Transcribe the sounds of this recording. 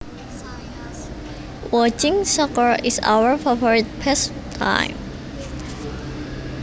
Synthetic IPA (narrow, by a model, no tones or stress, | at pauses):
wɔt͡ʃɪ̃ŋsɔkəɹisa̰wəɹfavɔɹit̪̚bɛstʰːã̰jm